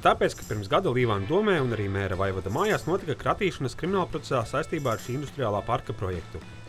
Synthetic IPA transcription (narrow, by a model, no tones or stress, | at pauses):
t̪aːpeːt̪kḁpiɾmsɡad̪ulˠiːʋaːnd̪uɔmɛːunaɾiːmɛːɾavajvad̪amaːjaːsnuɔt̪ikakɾat̪iːʃanɐskɾiminaːlˠpɾɔt̪esaːsajst̪iːbaːaɾʃiind̪ust̪ɾijaːlˠaːpaɾkapɾɔjɛ̰kt̪u